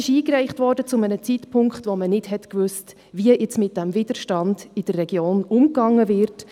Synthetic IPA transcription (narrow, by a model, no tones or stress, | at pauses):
ɪʃiːkrɛɪχtvɔɾdət͡sʊmənət͡sitpʰʊŋkχtʋomənɪdɦɛtkvʏst | viəʔɛt͡smɪt̚d̥æmvɪd̥əɾʃtɑnd̥id̥ərːɛɡ̥joːnʊmkɑŋːəvɪɾt